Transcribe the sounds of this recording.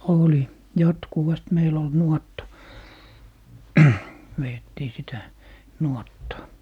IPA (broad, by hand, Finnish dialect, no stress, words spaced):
oli jɑtkuʋɑst meil ol nuɔtːɑ ʋeːtːiː sitæ nuotːɑː